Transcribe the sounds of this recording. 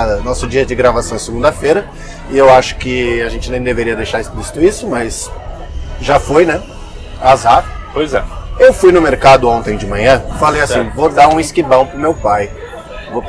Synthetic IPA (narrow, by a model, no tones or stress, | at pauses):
nɔsʊd͡ʒiɐd͡ʒɪɡɾavasɐ̃w̃sɪɡũnd̪ɐfejɾɐ | ɪewaʃʊ̥kɪaʒẽnt͡ʃɪnẽj̃d̪eveɾiɐd̪ejʃaɾesplisi̥t̪ʊisʊmɐs | ʒafojnɛ | azat̪ʊpojzɛewfujnʊmeɾkad̪ʊõnt̪ẽj̃d͡ʒɪmɐ̃ɲɐ̃falejasĩvod̪aɾũɪskibɐ̃w̃pɾʊmewpaj | vop